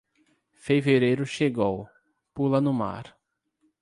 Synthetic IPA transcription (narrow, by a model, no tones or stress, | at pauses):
feveɾejɾʊʃeɡow | pulɐnʊma̰ɾ